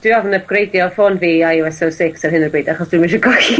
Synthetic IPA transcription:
d̥wɪaðnəb̚ɡ̥rejdjɔfɔnviːajɔɛsosɪksarɦɪnərbejdaχɔsd̥wɨmɪnʃ̬ɔɡɔxi

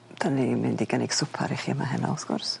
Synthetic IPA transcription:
d̥ʰanimɪndiɡəneɡ̥sʊpʰa̰ɾiχimaɦɛnɔ̰lˠsɡ̥ʊrs

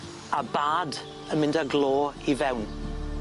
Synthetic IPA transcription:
abaːd | ənmɪ̃ndaɡlˠoːivɛwn

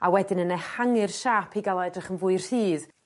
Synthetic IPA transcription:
awɛdɪnənehaŋɨrʃapʰiɡalˠadrɪχənvʊɨr̥hiːð

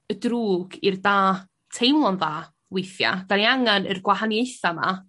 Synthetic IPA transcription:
ədruːɡirdaː | tʰejmlˠɔnðaː | wɪjθja̰ɡ̥aniaŋanə̰rɡwaɦanjejθama̰

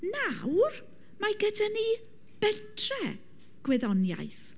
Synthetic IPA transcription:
nawr | maɡədani | b̥ɛtʰrɛ | ɡ̥wɛðɔnja̰jθ

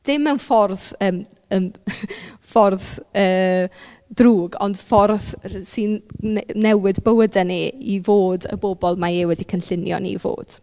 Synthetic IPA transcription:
d̥ɪmənfɔrθəːm | ən | fɔrθəː | druːɡɔ̰nd̥fɔrθsinː | ɛwɪdbəwədɛniivoːdə̰bobɔlˠmaewɛdikʰənɬɪnjɔ̰nḭvo̰ːd̥

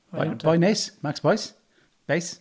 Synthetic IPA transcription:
b̥ajnesmaksb̥ɔjs | b̥es

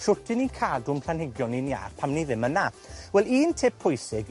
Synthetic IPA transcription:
ʃʊtʰɪnikʰaːlˠdʊmpʰl̥anhɪɡjɔninia̰ːr̥pʰamniðɪməna | wɛlˠiːntʰeːbpʰʊjsɪɡ

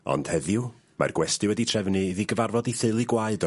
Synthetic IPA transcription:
ɔ̰nd̥hɛðjʊ | ma̰rɡwɛstɨwɛditʰr̥ɛvnɨðiɡəvarvɔdiθɨlˠiɡwaɨdɔ

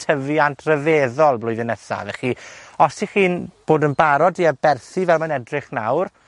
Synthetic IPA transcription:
tʰəviantʰrəveːðɔlˠblˠʊɨðɪnɛsa̰vɛχiːɔstʰiχiːnb̥oːdənbaɾɔdiabɛrθivɛlˠmanɛdrɪχna̰wr

